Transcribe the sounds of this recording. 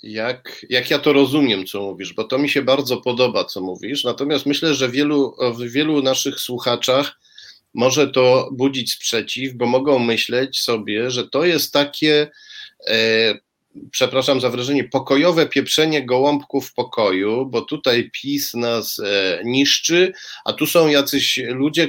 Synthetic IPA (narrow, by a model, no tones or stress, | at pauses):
jakjakjat̪ɔɾɔzumʲjɛmt̪sɔmuvʲiʐbɔt̪ɔmʲiɕɛbaɾd̪zɔpɔd̪ɔbat̪sɔmuvʲiʂnat̪ɔmʲast̪mɘɕlɛʐɛvʲjɛluvvʲjɛlunaʂɘxswuxat͡ʂax | mɔʐɛt̪ɔbud͡ʑit͡ɕspʂɛt͡ɕivbɔmɔɡɔ̃w̃mɘɕlɛt͡ɕsɔbʲjɛʐɛt̪ɔjɛst̪ːakʲʰɛ | pʂɛpɾaʂamzavɾaʐɛɲɛpɔkɔjɔvɛpʲjɛpʂɛɲɛɡɔwɔmpkufpɔkɔjubɔt̪ut̪ajpʲʰisnasɲiʂt͡ʂɘʔa̰t̪usɔ̃w̃jat̪sɘɕlud͡ʑɛ